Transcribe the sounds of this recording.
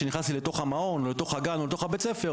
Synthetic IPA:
eniχnastilet̪o̞χamao̞nolet̪o̞χhaɡanolet̪o̞χabet͡sefe̞

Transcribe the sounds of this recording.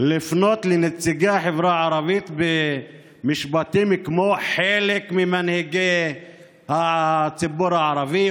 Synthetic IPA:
lifnot̪lenet͡siɡaħevɾaʕaɾavit̪be | miʃbat̪imkmoħelekmimanheɡe | hat͡sibuɾhaʕaɾavi

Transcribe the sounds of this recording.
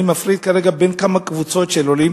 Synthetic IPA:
imafɾit̪̚kaɾeɡabenkamakvut͡sotʃeloli

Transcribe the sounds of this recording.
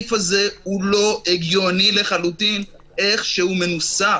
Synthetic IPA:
fazehulo̞eɡjo̞nile̞χalut̪in | e̞χʃehume̞nusa

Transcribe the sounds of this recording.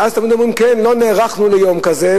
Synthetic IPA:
azt̪amid̪omʁimkɛnloneːʁaχnulejomkaze

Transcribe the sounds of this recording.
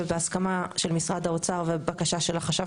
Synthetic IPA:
beaskamaʃe̞lmisʁad̪aot͡saʁvebakaʃaʃelaχaʃa

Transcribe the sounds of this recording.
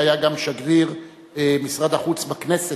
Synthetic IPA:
ajaɡamʃaɡdiʁ | misʁad̪aχut͡sbaknese

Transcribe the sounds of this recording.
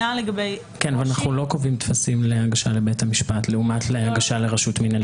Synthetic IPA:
aleɡabej | kenveanaχnulo̞kovimt̪fasimlehaɡaʃale̞be̞tamiʃpatleumatleaɡaʃaleʁaʃutmina

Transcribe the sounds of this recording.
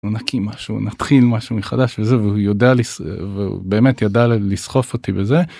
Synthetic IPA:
unakʰimaʃunat̪χilmaʃumeχadaʃvezeveujo̞dealisveṵbe̞ːme̞t̪jadalisχo̞fot̪ibeze̞

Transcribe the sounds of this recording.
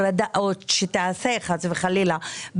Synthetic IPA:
ɾad̪aʔotʃet̪aaseχazveχalilab

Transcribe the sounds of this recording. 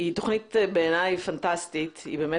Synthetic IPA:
itʊχnɪtbɛɛnaɪfantastɪtḭbɛmɛ

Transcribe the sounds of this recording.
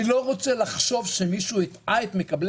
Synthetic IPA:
ilo̞ʁo̞t͡selaχʃo̞vʃe̞miʃuit̪aet̪me̞kabl

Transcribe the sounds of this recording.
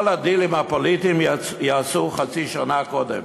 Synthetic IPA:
lad̪ilimhapolit̪im | jaːsuχat͡siʃanakod̪ḛm

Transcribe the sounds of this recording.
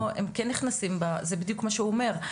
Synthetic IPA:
emkɛnːiχnasimbazebid̪jukmaʃeuome̞ʁ

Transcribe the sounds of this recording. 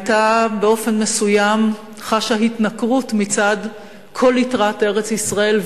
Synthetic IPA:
tabeo̞fe̞nmesujam | χaʃahitnakʁutmit͡sad̪ | kʰo̞litʁate̞ʁet͡sisʁae̞l

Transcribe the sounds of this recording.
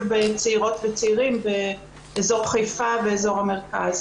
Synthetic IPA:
vbet͡seiʁo̞tvet͡seiʁimbeː | zo̞ʁχejfaveːzo̞ʁhameʁkaz

